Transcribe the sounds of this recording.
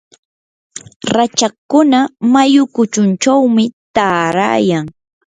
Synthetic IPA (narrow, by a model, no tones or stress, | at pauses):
ɾat͡ʃakʊnamajʊkʊt͡ʃʊnt͡ʃawmɪt̪aːɾa̰ːjaŋ